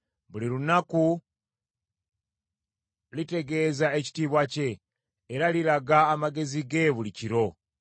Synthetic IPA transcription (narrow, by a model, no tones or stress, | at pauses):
βuliɾunaku | lite̞ɡe̞ːzae̞ci̥tiβwace̞ː | ɾaliɾaɡaːmaɡe̞ziɡe̞βuliciɾo̞